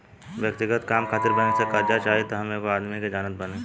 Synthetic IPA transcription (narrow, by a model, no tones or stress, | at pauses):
ʋjək̚t̪ɪɡət̪kaːmkʰaːt̪ɪɾbənesɐkad͡ʒat͡ʃaːɦet̪oɦɐmẽkoaːd̪miked͡ʒaːnət̪̚bənẽː